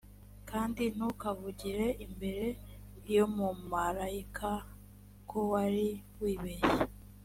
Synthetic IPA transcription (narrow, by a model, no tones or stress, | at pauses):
kaːndin̥ukavuɟiɾe̞ʔimbe̞ɾe̞ | jo̞mumaɾaikʰa | kʰowaɾiwiːβeje